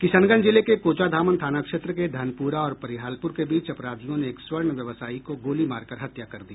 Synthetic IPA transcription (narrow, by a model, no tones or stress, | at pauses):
kɪsənɡənd͡ʒɪlekekoːt͡ʃad̪ʱaːmənt̪ʰaːnakʃeːt̪ɾəked̪ʱɐənpuːɾaɔːɾpɐɾɪɦaːlpʊɾkebiːt͡ʃɐpɾaːd̪ʱijõneːkswəɾɳʋjɐʋsaːikoɡoːlimaːɾkɐɾɦɐt̪jakɐɾd̪iː